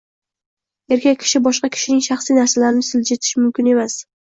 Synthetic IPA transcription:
e̞ɾkʲʰakʲʰːɪ̥ʃɪbɒʃqɑkʲʰɪ̥ʃɪnɪŋʃaχsijnaɾsalaɾɪnɪsɪld͡ʒet̪ʰɪ̥ʃmʊmkʲɪne̞mas

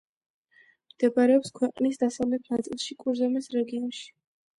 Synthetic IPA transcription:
md̪̥ɛbaɾɛɔpskʰwɛqʼnisd̪asavlɛt̪ʰnat̪sʼilˠʃikʼuɾzɔmɛsɾɛɡiɔnʃi̥

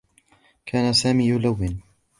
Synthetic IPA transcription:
kʰaːnasaːmiːjʊlawːɪn

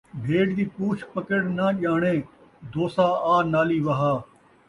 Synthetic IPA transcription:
bʱeːɖd̪iːpuːt͡ʃʰpəkəɽnaːʄaːɳẽː | d̪oːsaːaːɾnaːliːʋɐɦaː

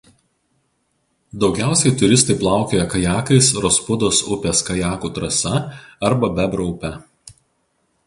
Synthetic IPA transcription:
d̪ɒʊɡʲæˑʊsʲɛɪt̪ʊɾʲɪst̪ɐɪplˠɑˑʊkʲoːjɛkɐjæːkɐɪsɾoːspʊd̪oːsʊpʲeːskɐjæːkuːt̪ɾɐsɐɐɾbɐbʲɛbɾoʊpʲɛ

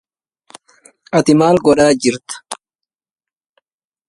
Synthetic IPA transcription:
ʔɐt̪ɪmaːlɡɔɗaːd͡ʒɪɾt̪ɐ̥

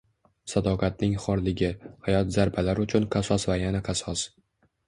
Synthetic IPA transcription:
sad̪ɒqʰɑt̪̚nɪŋχɒɾlɪɡʲɪhajɒt̪zaɾbʰalaɾʊt͡ʃʰʊnqʰɑsɒsvajanaqʰɑsɒs

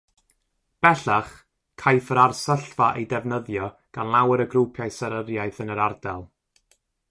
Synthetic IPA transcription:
b̥ɛɬaχ | kʰajfəɾarsəɬvaʔejdɛvnəðjɔ | ɡ̥anlˠawəɾəɡrupʰjajsəɾəɾjajθənəɾardɛlˠ

